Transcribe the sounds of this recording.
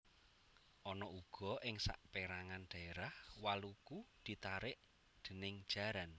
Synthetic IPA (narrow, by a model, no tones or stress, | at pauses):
ʔɔnɔʔuɡ̥ɔ̤ʔɪŋsa̰ʔpeɾaŋanɖ̥a̤eɾahwalukud̪̥i̤t̪aɾɪʔ | d̪̥ə̤nɪŋ̥ʒ̥a̤ɾan